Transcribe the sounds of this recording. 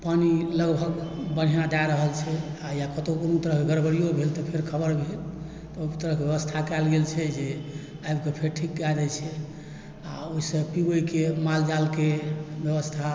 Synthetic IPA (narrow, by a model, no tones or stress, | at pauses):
paniləɡbʱəɡbən̤ijad̪ajɾəɦəlt͡ʃʰɛajakət̪okonut̪əɾəɦkeɡəɾbəɽijobʱelt̪ɔpʰeɾkʰəbəɾbʱel | t̪ɔt̪əɾəɦkebjebəst̪ʰakɛlɡelt͡ʃʰɛd͡ʒe | ajbkepʰeɾʈʰik̚ɡad̪ɛt͡ʃʰɛ | aoisə̃pibəikemald͡ʒalkebjəbəst̪ʰa